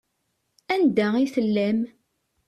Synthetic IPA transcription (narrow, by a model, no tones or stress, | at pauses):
ænd̪æiθəlːæm